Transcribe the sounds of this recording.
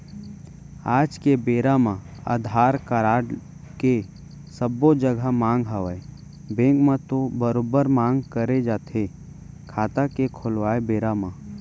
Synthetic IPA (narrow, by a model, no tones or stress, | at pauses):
aːd͡ʒkebeːɾamã | ə̰d̪ʱaːɾkəɾaːɽ | ke | səbːod͡ʒəɡʱəmãːŋɡɦaʋəe | bẽːŋkmãt̪obəɾoːbəɾmãːŋɡkəɾed͡ʒaːt̪e | kʰaːt̪akekʰʊlʋaːebeːɾamã